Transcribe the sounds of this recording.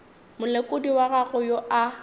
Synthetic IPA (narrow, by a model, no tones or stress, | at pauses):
mʊlekʼʊdiwaɣaɣʊjoa